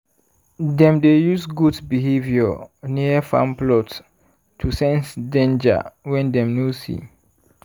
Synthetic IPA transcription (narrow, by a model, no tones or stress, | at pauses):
dɛ̃mdejusɡudbiɦeviɔniəfã̰mplɔt | tʰusɛ̃nsdẽnd͡ʒa̰wɛ̃ndɛ̃mnosḭ